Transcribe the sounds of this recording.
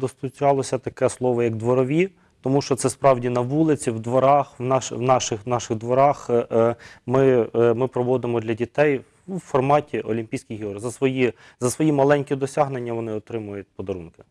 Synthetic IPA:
d̪ɔst̪ʊt͡ʃʲɑlˠɔsʲɐt̪ɐkɛslˠɔʋɔjɐɡd̪ʋɔɾɔʋʲi | t̪ɔmuʃt͡ʃɔt̪sɛspɾɑwdʲinɐʋulˠɪt͡sʲiwd̪ʋɔɾɑxwnɑʃwnɑʃɪxnɑʃɪɣd̪ʋɔɾɑx | mɪmɪpɾɔʋɔd̪ɪmɔd̪lʲɐdʲit̪ɛj | fɔrmɑtʲiʔɔlʲimʲpʲijsʲkʲijɦiɔrzɐsʋɔji | zɐsʋɔjimɐlˠɛnʲkʲid̪ɔsʲaɦnenʲːɐʋɔnɪɔt̪ɾɪmʊjʊt̚ʲpɔd̪ɐɾunkɪ̥

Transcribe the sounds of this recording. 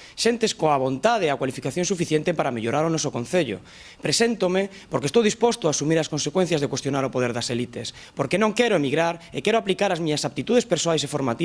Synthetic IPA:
sent̪eskoaβ̞ont̪að̞eakwalifikaθjonsufiθjent̪epaɾameʎoɾaɾonosokõnθeʎo̰ | pɾesent̪ome | poɾkest̪owðispwost̪oasumiɾaskonsekwẽn̟θjazðekwest̪jo̞naɾopoðeɾðaselit̪es | poɾkenõŋkeɾoemiɣɾaɾekeɾoaplikaɾazmiɲasap̚t̪it̪uð̞espeɾsoajsefoɾmat̪i

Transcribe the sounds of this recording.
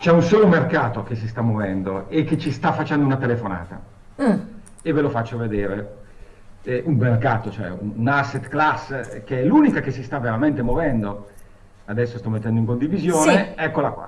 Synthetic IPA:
t͡ʃɛunsɔːlomerkaːt̪ok̟es̬ist̪amːovɛnd̪oek̟ːet͡ʃːist̪afːat͡ʃɛnd̪ounat̪elefona̰ːt̪a̰ | evːelofat͡ʃːoved̪eːɾe | ʔummːerkaːt̪ot͡ʃoɛ̰unːnasːet̪klasːkeɛlunikakesist̪aveɾament̪emovɛnd̪o | ad̪ɛsːost̪ɔmːet̪ːɛnd̪oiŋkond̪ivizjoːneɛkːolakwa̰

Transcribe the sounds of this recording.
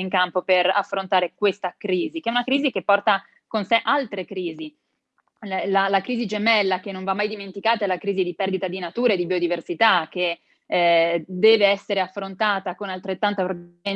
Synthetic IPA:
iŋkampopera̰fːɾont̪aːɾekwest̪akɾiːzikɛunakɾiːzik̟epːɔrt̪a | konseʔalt̪ɾekɾiːzi | lalakɾiːzid͡ʒemɛlːakenːõɱvamːajd̪iment̪ikaːt̪aelːakɾiːzid̪ipɛrd̪it̪ad̪inat̪uːɾaed̪ibiod̪iversit̪ak̟ːe | d̪ɛːveɛsːeɾeafːɾont̪aːt̪akonalt̪ɾet̪ːant̪oapɾo

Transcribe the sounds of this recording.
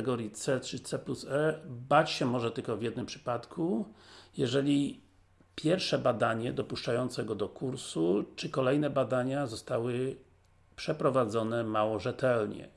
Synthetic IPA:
ɛɡɔɾʲjit̪sɛtʂɘt̪sɛplusɛbat͡ɕɕɛmɔʐɛt̪ɘlkɔvʲjɛd̪nɘmpʂɘ̥pat̪kʰujɛʐɛlʲi | pʲjɛɾfʂɛbad̪aɲɛd̪ɔpuʂt͡ʂajɔnt̪sɛɡɔd̪ɔkuɾsut͡ʂɘkɔlɛjnɛbad̪aɲazɔst̪awɘ | pʂɛpɾɔvad̪zɔnɛmawɔʐɛt̪ɛlɲɛ̰

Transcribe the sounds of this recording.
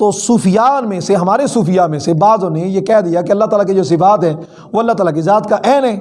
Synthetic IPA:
t̪oːsuːfɪjaːnmẽseɦɐmaːɾesuːfɪjamẽsebaːzõnejekɛːd̪ijakeɐlːat̪aːlaked͡ʒoːsɪfaːt̪ɦɛː | ʋoɐlːat̪aːlak̬izaːt̪kaʔɛːnɦɛː

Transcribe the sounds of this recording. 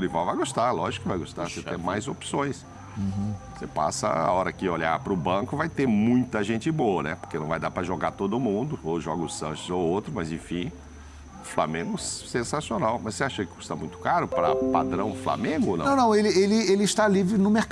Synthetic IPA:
ʊlivawvajɡost̪alɔʒɪkʊvajɡost̪aset̪ẽj̃majzopsõj̃s | sepa̰sɐ̰a̰ɔɾɐkɪoʎa̰pɾʊbɐ̃kʊvajt̪eɾmũj̃t̪ɐʒẽnt͡ʃɪboɐnɛ̰po̥ɾkenɐ̃w̃vajd̪apɾɐʒoɡat̪od̪ʊmũd̪ʊoʒɔɡʊsɐ̃ʃʊzowowt̪ɾʊmɐzẽfĩ | fla̰mẽŋɡʊsẽsasionawmɐsseaʃɐkɪkost̪ɐmũj̃t̪ʊ̥kaɾʊpɾɐpa̰d̪ɾɐ̃w̃fla̰mẽɡʊoñnɐ̃w̃nɐ̃w̃elɪelɪelɪʃt̪alivɾɪnʊmek

